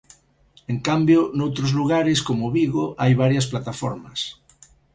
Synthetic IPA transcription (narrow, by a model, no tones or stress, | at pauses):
eŋkambjonowt̪ɾozluɣ̞aɾɪskomoβiɣoʔajβ̞aɾjɐsplat̪afɔ̰ɾmɐs